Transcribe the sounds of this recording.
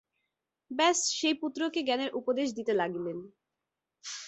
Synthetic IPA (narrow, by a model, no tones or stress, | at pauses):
bɛsʃejput̪ːɾokeɡɛneɾʔupod̪eʃ̬d̪it̪elaɡilen